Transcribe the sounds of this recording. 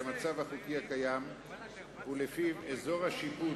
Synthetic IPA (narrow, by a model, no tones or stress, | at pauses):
amat͡savhaχukihakajam | ulefiezo̞ʁhaʃipu